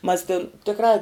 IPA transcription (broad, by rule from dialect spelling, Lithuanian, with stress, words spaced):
mɐs tʲɪn ˈtʲɪkrɑː